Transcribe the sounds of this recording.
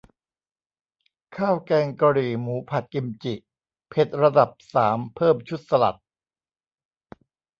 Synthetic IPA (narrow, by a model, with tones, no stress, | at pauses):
kʰaː˥˩wkɛː˧ŋka˧ɾiː˨˩muː˩˦pʰa˨˩t̪̚ki˧mt͡ɕi˨˩ʔ | pʰe˨˦˩t̪̚ɾa˧da˨˩p̚saː˩˦mpʰɤː˥˩mt͡ɕʰu˦˥t̪̚sa˧la̰˨˩t̪̚